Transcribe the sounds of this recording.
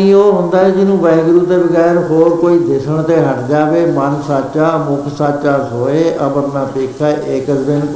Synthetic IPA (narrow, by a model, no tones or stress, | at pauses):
ĩːoːɦʊ̃nd̪aːɦɛːd͡ʒɪnũːʋɛ̃ːɡɾuːt̪eːbəɡɛːɾɦoːɾkoːiːd̪ɪsəɳt̪ẽːɦəʈd͡ʒaːʋeːmənsaːt͡ʃaːmʊkʰsaːt͡ʃaːsoːeːʔəbəɾnaːpeːkʰaːʔɪːkəd͡ʒb̪ɪnk